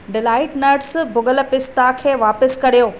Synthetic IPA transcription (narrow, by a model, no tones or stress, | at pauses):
ɖɪlaːɪʈnɐɾʈsbʊɡəlpɪst̪akʰeːʋaːpəskɐɾijoː